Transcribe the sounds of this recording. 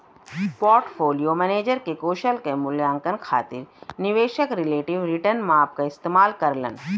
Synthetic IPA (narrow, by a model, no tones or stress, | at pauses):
poːɾʈfʰoːlijomɛːneːd͡ʒəɾkekoːʃəlkemʊljãːŋkənkʰa̰ːt̪ɪɾnɪʋeːʃəkɾɪleːʈɪʋɾɪʈəɾnmaːp̚kaɪst̪eːmaːlkɐɾlə̰n